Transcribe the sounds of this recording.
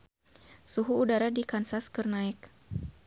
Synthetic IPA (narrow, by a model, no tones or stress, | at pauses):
suɦuːdaɾadikansaskərnaɪk̚